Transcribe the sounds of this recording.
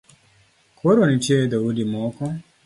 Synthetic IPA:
kʰoɾonit͡ʃed̪awudimɔkɔ

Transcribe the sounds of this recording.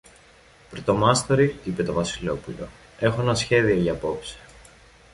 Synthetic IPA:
pɾot̪o̞mɐst̪oɾiipe̞t̪o̞vɐsilo̞pulo̞̰ | e̞xoenɐsçe̞ðio̞ʝɐːpo̞psi̥

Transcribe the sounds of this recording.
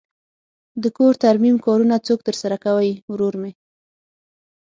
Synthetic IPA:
d̪əkoɾt̪aɾmimkɑɾunat͡sok̚t̪əɾsaɾakawəjwɾoɾme

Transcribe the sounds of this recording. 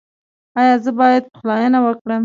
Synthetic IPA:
ɑjɑzəbɑjad̪̚pə̥xlɑjənawəkɽəm

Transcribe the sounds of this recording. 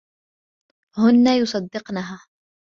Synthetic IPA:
hʊnːajʊsˤɑd̪ːɪqnaɦaː

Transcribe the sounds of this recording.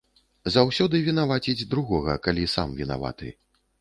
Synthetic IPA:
zawsʲɔd̪ɨvʲinavat͡sʲid͡zʲd̪ɾuɣɔɣɐ̰kalʲisa̰mvʲina̰va̰t̪ɨ̰

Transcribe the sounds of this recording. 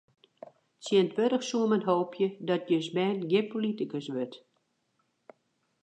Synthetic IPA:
sjiəntʋøɾəxsuəmənɦoːpʰjədɔt̚jøsbɛːnɡjɪpolitəkəsʋøt

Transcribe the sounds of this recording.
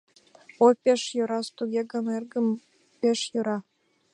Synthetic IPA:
opʲeʃjŏɾɑst̪uɡʲeɡɤ̆nerɡə̆m | pʲeʃjoɾɑ

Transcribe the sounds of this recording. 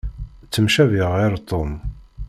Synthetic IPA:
t͡sːəmʃævɪʁeɾt̪ˤːon

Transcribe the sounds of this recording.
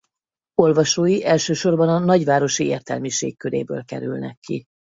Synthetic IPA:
o̞lvɒʃoːjiʔɛlʃøːʃo̞rbɒnɒnɒɟʋaːɾo̞ʃieːrt̪ɛlmiʃḛːkkːøɾḛːbø̰ːlkɛ̰ɾy̰lnɛ̰kʰːi

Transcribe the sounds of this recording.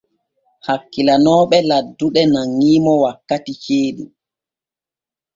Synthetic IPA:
hakːilanɔːɓɛladːuɗɛnaŋːiːmɔwakːatit͡ʃeːɗu

